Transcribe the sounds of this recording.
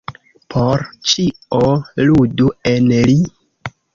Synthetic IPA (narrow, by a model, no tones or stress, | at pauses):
pʰoɾt͡ʃioluduenli